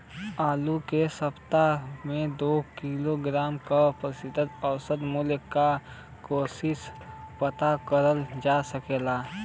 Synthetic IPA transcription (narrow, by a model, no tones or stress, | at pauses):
aːlukesəpt̪amẽd̪oːkiloɡɾaːmkapɾəsɪd̪ʱət̪əwsəd̪muljəkːa | koːsɪspət̪akəɾəld͡ʒaːsəkeːlaː